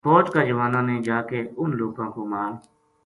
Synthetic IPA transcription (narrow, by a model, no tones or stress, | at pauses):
foːt͡ʃkaːd͡ʒəʋaːnãːnẽːd͡ʒaːkeːʊnloːkãːkoːmaːɾ